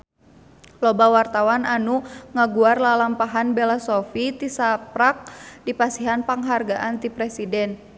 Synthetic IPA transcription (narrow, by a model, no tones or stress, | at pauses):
lɔbawart̪awananuŋaɡuarlalampaɦanbɛlasofit̪isapɾak̚dipasiɦanpaŋɦarɡaʔant̪ipɾɛsidɛn